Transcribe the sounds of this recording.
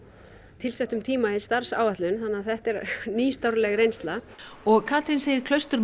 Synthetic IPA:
t̪ʰɪlsɛht̪ʏmt̪ʰiːmahɪst̪aɾ̥sa̰ːwaht̪lʏnθanːaθɛht̪ɛɾniːst̪awɾlɛɣrejnst̪laɔɣkʰat̪ɾɪnseːjɪɾkʰlœɥst̪ʏɾ

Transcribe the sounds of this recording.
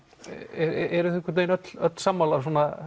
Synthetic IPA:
ɛɾɛɾʏθɛŋkʏɾt̪ejnœt̪l̥œt̪l̥samːalas̬ɔːna

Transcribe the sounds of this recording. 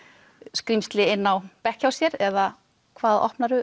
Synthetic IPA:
skɾimst̪lɪɪnːawpɛhcawsjɛɾɛða | kʰvaːðɔ̰hpnaɾʏ

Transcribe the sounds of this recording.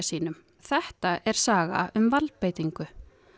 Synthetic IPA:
siːnʏm | θɛht̪aɛɾ̥saːɣa̰ʏmvalpejt̪iŋkʏ

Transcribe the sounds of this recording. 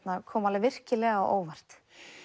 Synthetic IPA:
t̪nakʰɔːmalɪvɪr̥cɪlɛːɣaɔ̰ʔo̰ːwvar̥t̪

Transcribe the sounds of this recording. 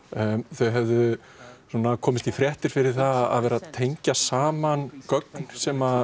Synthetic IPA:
θœɥɦɛvðʏ | suɔːnakʰɔːmɪst̪ifɾjɛht̪ɪɾ̥fɪɾɪɾ̥θaða̰ðvɛːɾat̪ʰejɲcasaːmankœkn̥sɛma

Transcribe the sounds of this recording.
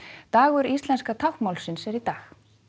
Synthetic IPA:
t̪aːɣʏɾist̪lɛnskat̪ʰawhmawlsɪnsɛɾit̪aːx

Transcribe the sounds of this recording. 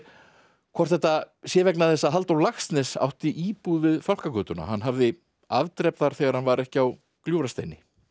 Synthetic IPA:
kʰvɔr̥t̪θɛht̪a | sjɛvɛknaðθɛsːaɦalt̪awlaxst̪nɛsa̰wht̪ɪʔiːpuðvɪðfawl̥kakœːt̪ʏna̰hanːɦavðɪ | avt̪ɾɛpðaɾ̥θɛɣaɾ̥hanvaɾɛhcɪaw | kljuwɾast̪ḛjnːɪ

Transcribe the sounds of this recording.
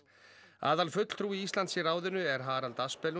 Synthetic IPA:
a̰ːðalfʏt̪l̥t̪ʰɾuːiist̪lant̪siraːwðɪnʏɛɾ̥ɦaːɾalt̪aspɛl

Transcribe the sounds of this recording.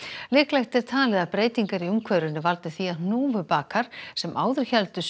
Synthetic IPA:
lɪːklajxt̪ɛɾ̥t̪ʰaːlɛðapɾeːjt̪iŋkaɾiʏmkʰvœɾʏnʏvalt̪ʏθiaðnuːvʏpaːkʰaɾ̥sɛma̰ːwðʏɾ̥çɛlt̪ʏs

